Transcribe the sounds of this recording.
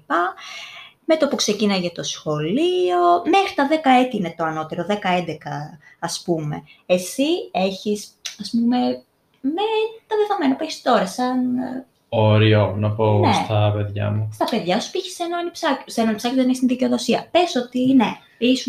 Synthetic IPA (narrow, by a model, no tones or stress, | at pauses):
pɐ | me̞t̪opukse̞cinɐjʝɐt̪o̞sxo̞lio̞me̞xɾit̪ɐðe̞kɐet̪iinet̪o̞ɐno̞t̪e̞ɾo̞ðekɐend̪ekɐ | ɐspume̞̰ | esieçisɐspume̞ | met̪ɐveðɐme̞nɐpueçist̪o̞ɾɐsɐn | oɾionɐponest̪ɐpe̞ðʝɐ̰must̪ɐpe̞ðʝɐsu̥piçi̥senoɐnipsɐsenoɐnipsɐcioðneçist̪inðiceoðo̞siɐpesot̪ine | isu